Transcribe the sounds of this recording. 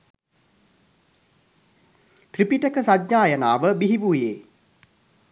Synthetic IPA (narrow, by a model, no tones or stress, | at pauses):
t̪ripiʈəkəsad̪ɲaːjənaːʋəbiɦiʋuːjeː